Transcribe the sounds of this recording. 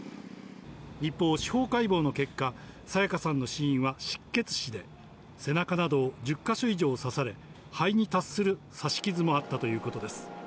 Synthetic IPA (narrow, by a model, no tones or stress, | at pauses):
ɾipːo̞ːɕi̥ho̞ːkaibo̞ːno̞ke̞kːasajakasãnːo̞ɕiĩɰ̃βaɕi̥kːe̞t͡sɨ̥ɕid̪e̞ | se̞nakanad̪o̞ːd͡ʑɨkːaɕo̞iʑo̞ːsasaɾe̞ | haiɲ̟it̪assɨɾɯ̟ | saɕi̥kʲizɨmo̞at̪ːat̪o̞jɯ̟ːko̞t̪o̞d̪e̞sɨ̥